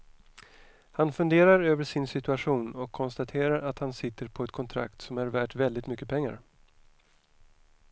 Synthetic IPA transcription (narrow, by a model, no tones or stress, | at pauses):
hanfɵnd̪eːɾaɾøːvəʂɪnsɪt̪ɵaɧuːnɔkʰːɔnst̪at̪ʰeːɾaɾat̪hansɪt̪ːəɾpʰɔɛt̪̚kʰɔnt̪ʰɾa̰kt̪sɔmæɾvæːʈvɛld̪ɪt̪mʏkːəpʰɛŋːa̰ɾ